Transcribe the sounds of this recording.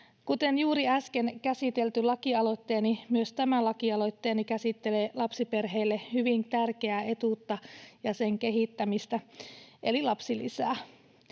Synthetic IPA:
kut̪enjuːɾiæskenkæsit̪elt̪ylɑkiɑlo̞t̪ːeːnimyøst̪æmælɑkiɑlo̞t̪ːeːnikæsit̪ːelelɑpsiperɦeilːehyʋint̪ærkeæet̪ut̪ːɑjɑseŋkeɦit̪ːæmist̪æʔelilɑpsilḭsæː

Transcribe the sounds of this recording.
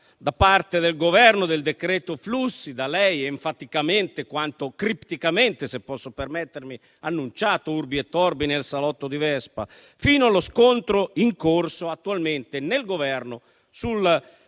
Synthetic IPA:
d̪apart̪ed̪elɡovɛrnod̪eld̪ekɾɛːt̪oflusːid̪alɛjeɱfat̪ikament̪ekwant̪okɾipt̪ikament̪esepːɔsːopermɛt̪ːeɾmi | anːunt͡ʃaːt̪ourbiɛt̪ːɔrbinelsalɔt̪ːod̪ivɛspa̰ | fiːnoaloskont̪ɾoiŋkorsoat̪ːualment̪enelɡovɛrno | sul

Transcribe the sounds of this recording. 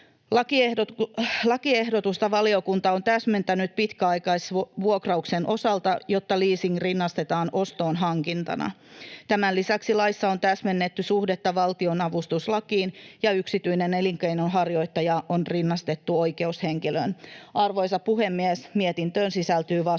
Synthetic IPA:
lɑkieholɑkiehdot̪ust̪ɑʋɑlio̞kunt̪ɑont̪æsment̪ænyt̪̚pit̪kæɑikɑisʋuokrɑuksenʔo̞sɑlt̪ɑjot̪ːɑliːsiŋrinːɑst̪et̪ɑːnʔo̞st̪oːnɦɑŋkint̪ɑ̰nɑ̰t̪æmænlisæksilɑisːɑo̞nt̪æsmenːet̪ːysuhdet̪ːɑʋɑlt̪ionɑʋust̪uslɑkiːnjɑyksit̪yineneliŋkejnonɦɑrjo̞it̪ːɑjɑʔonrinːɑst̪e̞t̪ːuojke̞usheŋkilø̰nʔɑrʋo̞isɑppuhemːiesmiet̪int̪øːnsisælt̪yːʋɑ

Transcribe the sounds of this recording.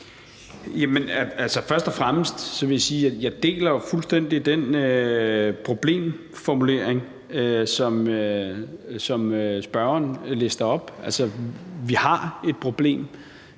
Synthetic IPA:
jæmenæælsəfɶɐsd̥ɒfʁaməsd̥sɒ̽ʋe̝jasiːjjɑ̈ɪd̥e̝̰ːlɐfulsd̥en̰d̥id̥enø | pʰʁo̝b̥le̝̰ːm | fɒmule̝ɐ̰eŋ | øsɒ̽mø | sɒ̽møsb̥ɶɐɐnle̝sd̥ɐɒ̽b̥ælsəʋihɑ̈e̝d̥̚pʰʁo̝b̥le̝̰ːm

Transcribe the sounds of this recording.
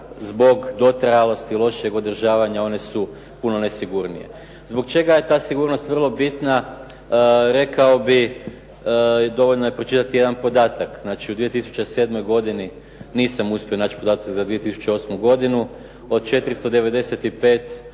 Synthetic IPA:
zbo̞ɡd̪o̞t̪ɾajalo̞st̪ilˠo̞ʃije̞ɡo̞d̪r̩ʒaːʋaɲao̞ne̞su | puno̞nesiɡuɾnije̞̰ | zbo̞kt͡ʃe̞ɡaje̞t̪aːsiɡuːɾnost̪ʋrlˠo̞bit̪na | ɾe̞kao̞bi | d̪o̞ʋoʎnoje̞pɾot͡ʃit̪at̪ijed̪anpo̞d̪aːt̪akznaːt͡ʃiud̪ʋije̞t̪isu̥t͡ʃese̞ːd̪mo̞jɡo̞d̪ini | niːsamuspʲjo̞naːt͡ʃi̥po̞d̪aːt̪akzad̪ʋije̞t̪isu̥t͡ʃe̞o̞smuɡo̞d̪inu | o̞d̪̚t͡ʃe̞t̪ɾist̪o̞d̪e̞ʋe̞d̪e̞set̪ipe̞ːt̪

